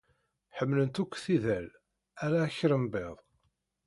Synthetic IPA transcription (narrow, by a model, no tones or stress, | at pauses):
ħəmːlənt̪ukʷːθiðæl | æɾaçɾəmbeðˤ